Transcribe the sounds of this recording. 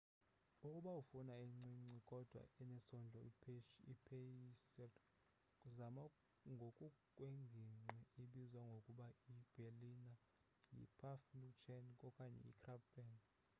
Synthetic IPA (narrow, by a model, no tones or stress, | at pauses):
ukʼuɓaufunaeŋ͡ǀiŋ͡ǀikʼɔd̥ʱwa̰ɛnɛsɔnd͡ɮʱɔipʰeisɛ | kʼuzama | ŋɡʱokʼukʼweŋɡʱiŋ͡ǀiiɓizwaŋɡʱokʼuɓaib̥ʱelina | jḭpʰafnut͡ʃʰɛnkʼɔkʼaɲɛ̰ḭkʰrapbɛn